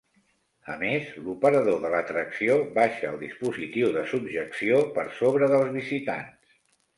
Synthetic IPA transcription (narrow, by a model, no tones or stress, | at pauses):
ə̰mezlupəɾəðoðələt̪ɾəksioβaʃəːlˠd̪ispuzit̪iwðəsubʒəksiopəɾsoβ̞ɾəðəlˠzβizit̪a̰ns